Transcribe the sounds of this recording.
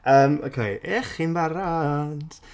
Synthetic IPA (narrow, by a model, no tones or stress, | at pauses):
əːmokʰejʔeχinbaɾand̥